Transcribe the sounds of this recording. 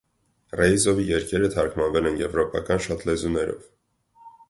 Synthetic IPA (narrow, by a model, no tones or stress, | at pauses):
rɛjzɔvijɛɾkʰɛɾət̪ʰɑɾkʰmɑnvɛlɛnjɛvɾɔpɑ̰kɑnʃɑt̪ʰlɛzunɛɾɔ̰v